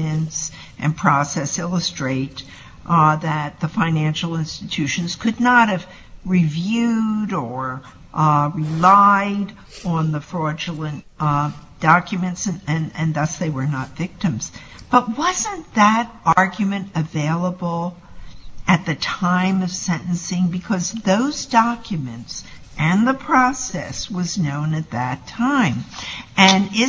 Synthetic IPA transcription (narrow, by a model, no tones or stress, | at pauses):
ɨ̃ns | ʔɨ̰̃npʰɹ̥ɔsɛsɪlˠəstɹ̥eɪɾ | ðɨt̪̚ðəfãɪ̃næ̃nʃl̩ˠɪ̃nstɨtʰʉʃɨ̃n̩z̥kʰɨdⁿnəɾ̚hɨv | ɹivjʉɾə˞ | ɹɪlaɪɾ | n̩ðəfɹɔɹd͡ʒəl̩ˠə̃ntd̥ɑkjɨmɨ̃ntsɨ̃nɨ̃nɨ̃nðʌsðeɪwə˞nətv̥ɪk̚tɨ̃mz̥ | b̥ʌt̚wʌzɨ̃nðɨɾʔɑɹɡjɨmɨ̃ntɨveɪlˠəbl̩ˠ | ɨt̪̚ðɨtʰãɪ̃mʌv̥sɛ̃nʔn̩sɪ̃ŋbɨkʰʌzðoʊzdɑkjɨmɨ̃nts | ʔɨ̃nðəpʰɹ̥ɔsɛ̰swʌznõʊ̃nɨt̪̚ðɨtʰãɪ̃mɨ̃nɪ